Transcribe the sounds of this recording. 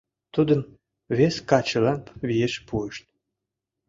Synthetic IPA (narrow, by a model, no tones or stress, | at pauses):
t̪ud̪əm | βeskɑt͡ɕəlɑmpβieʃpueʃt̪̚